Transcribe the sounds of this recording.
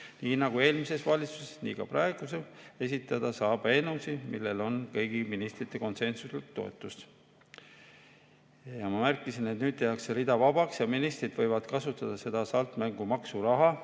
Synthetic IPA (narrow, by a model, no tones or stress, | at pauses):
niːnɑɡ̥ue̞ːlmise̞svɑlʲit̪su̥sesnḭːkɑ̰prɑe̞ɡ̥usee̞sʲit̪ːˑɑd̪̥ɑsɑːb̥ɑe̞nusimilːe̞lo̞nkɤjɡ̥iminist̪rit̪ːˑe̞ko̞nse̞nsuslikt̪o̞ḛt̪ːˑust̪ | jɑmɑmærkːˑisinet̪nyːd̪̥̚t̪eɑkseɾid̪ɑvɑbɑksjɑminist̪rid̪̥vɤ̞jvɑd̪̥kɑsut̪ːˑɑd̪̥ɑse̞d̪̥ɑsɑlt̪ˑmæŋɡ̥umɑksuɾɑɦɑ